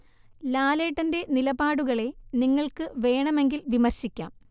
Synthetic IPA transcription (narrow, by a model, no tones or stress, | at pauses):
laːle̞ːʈːɐnde̞nilɐbaːɽuɣɐɭe̞niŋːɐɭkɨʋe̞ːɳɐme̞ŋɡilʋimɐrɕikʲːa̰ːm